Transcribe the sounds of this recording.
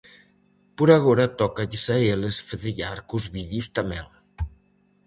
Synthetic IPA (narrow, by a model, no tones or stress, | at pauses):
puɾaɣoɾat̪ɔkaʎisaelesfeðeʎaɾkuzβiðjust̪amɛ̰l